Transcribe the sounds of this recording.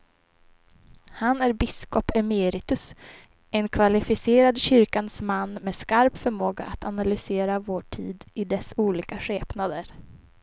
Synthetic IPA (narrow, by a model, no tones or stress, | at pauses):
hanæɾbɪskɔpɛmeːɾɪt̪ɵs | ɛnkʰvalɪfɪseːɾad̪ɕʏɾkansmanːmɛːskaɾpfœɾmoːɡa̰ʔat̪ʰanalʏseːɾavoːʈʰiːd̪ɪd̪ɛsuːliːkaɧeːpnad̪əɾ